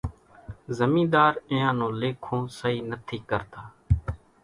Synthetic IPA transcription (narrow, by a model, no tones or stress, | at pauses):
zəmĩːd̪aːɾɪjãːnõːleːkʰõːsəɦiːnət̪ʰiːkəɾt̪aː